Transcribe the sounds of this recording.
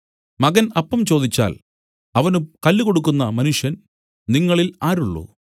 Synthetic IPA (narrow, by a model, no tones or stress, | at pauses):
mɐɣɐnɐpːɐmt͡ɕo̞ːd̪it͡ɕːa̰ːl | ɐʋɐnumkɐlːuko̞ɽukːunːɐmɐnuʂjɐn | niŋːɐɭilaːɾuɭːo̰ː